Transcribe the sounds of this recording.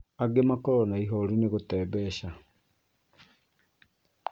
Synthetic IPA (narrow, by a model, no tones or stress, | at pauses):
aɡemakɔɾɔnaiɦɔɾineɣotɛːβɛɕa